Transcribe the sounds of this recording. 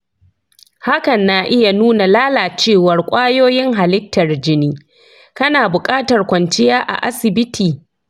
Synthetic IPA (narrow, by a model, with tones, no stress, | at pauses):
ha˦kɐ˨nːa˨ʔɪ˦ja˨nuː˦na˨laː˦laː˨t͡ʃeː˦˨wɐ˨rkʷʼaː˦joː˦jɪ˦ŋɦa˨lɪ˦tːɐ˨rd͡ʒɪ˦niː˦ | kɐ˦naː˨bʊ˨kʼaː˦tɐ˨rkʷɐ˨nt͡ʃɪ˦jaː˦ʔa̰˨ʔa̰˦sɪ˨bɪ˦tʰiː˨